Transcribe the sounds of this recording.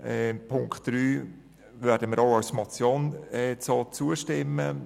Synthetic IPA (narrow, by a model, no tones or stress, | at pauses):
ɛpʰʊŋkt̚d̥ɾyː | ʋɛɾdəməɾɑʊɑwsmɑt͡sjɔnɛt͡sɑt͡suəʃtɪmːə